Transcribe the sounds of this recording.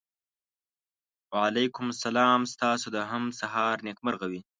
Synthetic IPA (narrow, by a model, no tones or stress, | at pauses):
waʕalajkʊmsalɑːmst̪ɑːsod̪əɦamsaɦɑɾnekməɾɣawi